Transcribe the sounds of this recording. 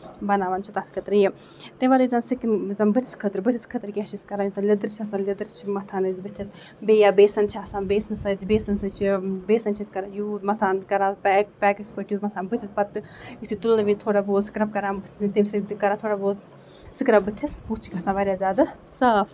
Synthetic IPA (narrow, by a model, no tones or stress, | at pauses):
bɐnaːʋaːnt͡ʃʰit̪at̪ʰkʰɐt̪ɾɨji | t̪eʋaɾɨzansiknzɐmbɨt̪ʰi̥skʰɐt̪ɾbɨt̪ʰʲiskʰɐt̪ɾkʲiɦɐt͡ʃʰiskɐɾaːjut̪alʲɐd̪ɨɾt͡ʃʰiɐsaːnlʲɐd̪ɨɾt͡ʃʰimɐt̪ʰaːnɨzbɨt̪ʰːis | beːjaːbeːsɐnt͡ʃʰiasãːnbeːsnɨsɐt̪beːsɐnsɨt͡ʃʰibeːsɐnt͡ʃʰiskɐɾajuːmɐt̪ʰaːnkɐɾaːpɛːk̚pɛːkɨkʰpəʈʰjuːt̪mɐt̪ʰaːnbɨt̪ʰispɐt̪ɨjit̪ʰit̪ulnɐʋizʲt̪ʰoːɽaboːt̪sɨ̥kɾɐb̚kɐɾaːnbɨt̪t̪esikɐɾaːt̪ʰoːɽaboːt̪ | sɨkɾɐb̚bɨt̪ʰːɐsput͡ʃʰi̥kʲɐsaːʋaɾʲjaːzʲaːd̪ɨ | sɐːf